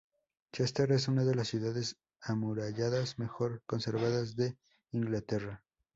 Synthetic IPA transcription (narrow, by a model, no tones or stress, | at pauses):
t͡ʃest̪eɾe̞s̬unaðe̞lasːjuðaðe̞s | amuɾaʝaðasme̞xo̞ɾko̞nse̞ɾβaðazðe̞ | iŋɡlat̪e̞ra